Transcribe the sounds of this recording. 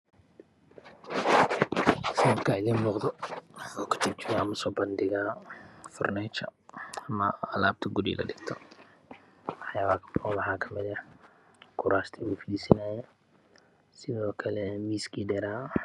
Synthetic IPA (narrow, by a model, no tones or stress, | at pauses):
sɐnɐbkʰaːɪðiːnmɔqd̪ɔɔːkʰɐ̥t͡ʃɪb̚t͡ʃɪɾamɐsɔːbɐnd̪ɪɣaːfʊrnɛːt͡ʃɐɐmɐɐlaːb̚t̪ʰɐɡudḭːlʔɐ̰ɖɪɡt̪ʰɔ | wɑħjaːβaːkʰɔwɑħaːkʰɐmɪðɐ | kʰʊɾaːst̪ʰiuːfɪd̪iːsɪnaːjɛ | sɪðɔːkʰɐlɛmiːskʰiːdɛɾaː